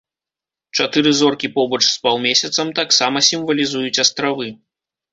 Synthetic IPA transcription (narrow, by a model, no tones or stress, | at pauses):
t͡ʂat̪ɨɾɨzɔrkʲipɔbɐt͡ʂspawˠmʲesʲɐt̪sɐmt̪aksamɐsʲimvɐlʲizujut͡sʲast̪ɾavɨ